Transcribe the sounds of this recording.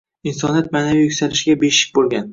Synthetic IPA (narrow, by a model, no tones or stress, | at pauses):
insɒnat̪̚maːnavijʊkʲsalɪʃɡʲabeʃɪ̥k̚ʲbolˠɡʲan